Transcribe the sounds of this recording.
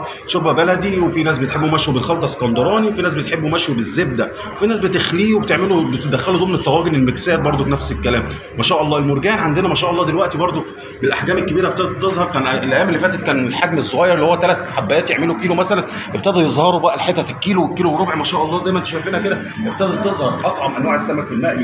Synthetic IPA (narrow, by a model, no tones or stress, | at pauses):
ʃobæbælæd̪iwefinæːs̬bet̪ħebːomæʃwobelxɑlt̪ˤɑskɑnd̪ɑɾˤɑːniwefinæːs̬bet̪ħebːomæʃwobezːeb̚d̪æ | wefinæːsbet̪exliːwebet̪eʕmelobet̪ed̪æxːælod̪omnet̪ːæwɑːɡonelmeksæːɾbɑɾˤd̪ˤofinæfselkːælæːm | mæʃæːʔɑlˤːɑːelmoɾɡæːnʕand̪enæmæʃæːʔɑlˤːɑːd̪elwæʔt̪ibɑɾˤd̪ˤo | belʔaħɡæːmelkːæbiːɾæbet̪eʔd̪ɑɾt̪ezˤhɑɾˤkænʔæelʔæjæːmelːifæːt̪et̪̚kæːnelħaɡmesˤːoɣæjɑɾˤelːihowæt̪ːælæt̪ħabːæjæːt̪jeʕmelokiːlomæsælæn | ʔebt̪eʔd̪ɑɾjezˤhɑɾˤobæʔælħet̪ːæfikːiːlowekːiːlowrˤɾobeʕmæʃæːʔɑlˤːɑːzæjmæʔent̪ʃæjfeːnhæked̪æ | ebt̪æʔd̪ɑɾt̪ezˤhɑɾˤʔɑt̪ˤʕɑmʔænwæːʕesːæmækfelmæʔbi